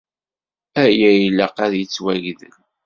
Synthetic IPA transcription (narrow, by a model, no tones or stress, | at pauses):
æjæjləqæðjət͡sːwæʝðə̰l